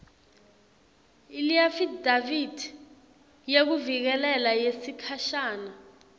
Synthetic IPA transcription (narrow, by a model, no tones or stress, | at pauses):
iliafidavid̥ʱ | jek̬uvik̬ɛlɛlajesikʰaʃaːna